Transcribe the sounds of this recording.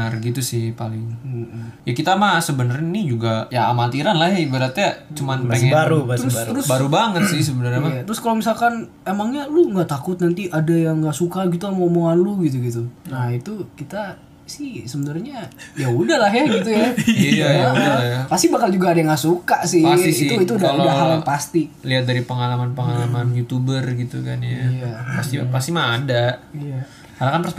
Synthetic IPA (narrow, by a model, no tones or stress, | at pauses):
ərɡit̪usɪhpalɪŋm̩jakit̪amasəbənərɲainid͡ʒuɡajaːmat̪iɾanlahjaibəɾat̪jat͡ʃumanpeaɾub̪əʊsɾəɾʊsbaɾubaŋət̪sɪhs̬əbənərɲamaat̪əɾʊskalomisalkan | emaŋɲaluŋɡaʔt̪akʊt̪̚nant̪iʔadajaŋɡaʔsukaɡit̪uamomoŋanlʊɡit̪̬uɡit̪unahit̪ukit̪a | sɪhsəbənərɲajaudahlahjaɡit̪ujaaalauajapast̪ibakald͡ʒuɡaːdajaŋɡasukaʔsɪsit̪uit̪uudaudaɦaljanpast̪iliɦat̪̚daɾipəŋalamanpəŋalamanjut̪ubərɡit̪ṵka̰njaijapast̪ipast̪imaːdaʔija | halakanpəsp